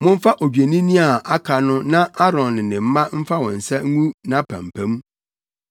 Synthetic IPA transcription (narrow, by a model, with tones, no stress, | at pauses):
mʊ̃˦m̩˦fa˦ʔo˨d͡ʑᶣe˨nĩ˦nĩ˦a˨a˦kʰa˨nʊ̃˦nã˦a˦ɾɔ̃˨nɪ˨nɪ̃˨m̩˦mã˦m̩˦fa˦wɔ̃˨n̩˨sɛ˦ŋ̩˦ŋũ˦nã˦pʰæ̰̃˨m˨pʰæ̃˦m˦